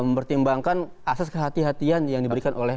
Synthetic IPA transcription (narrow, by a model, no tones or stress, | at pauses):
məmpərt̪imbaŋkan | asɛskəɦat̪iɦat̪ianjaŋdibəɾikanʔolɛ